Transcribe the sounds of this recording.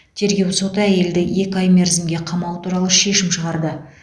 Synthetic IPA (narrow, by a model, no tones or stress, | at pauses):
t̪ʰe̞ɾɡʲe̞wso̞t̪əæje̞ld̪ɪe̞kʲɑjme̞ɾzɪmɡʲe̞qʰɑmɑw̪ˠət̪ʰuɾɑlˠəʃe̞ʃɪmʃəʁɑɾd̪ə